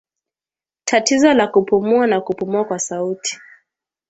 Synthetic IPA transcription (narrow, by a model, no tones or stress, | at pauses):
tʰatizɔlakupumuanakupumuakwasautʰi̥